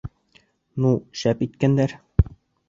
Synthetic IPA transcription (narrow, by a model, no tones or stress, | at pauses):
nuɕæpit̪kænd̪æɾ